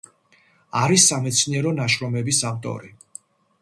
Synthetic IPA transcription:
aɾisːamɛt̪sʰniɛɾɔnaʃɾɔmɛbisavt̪ʼɔ̰ɾi

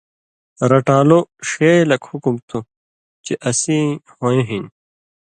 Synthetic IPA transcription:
ɾɐʈaːloʂelɐkhukumt̪ʰu | t͡ɕeʔɐsĩhõːjẽɦin

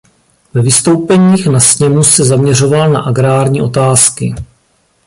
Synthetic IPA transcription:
vɛvɪst̪o̞wpɛɲiːxnasɲɛmusɛzamɲɛro̞valna̰ʔaɡɾaːɾɲiːʔo̞t̪aːskɪ

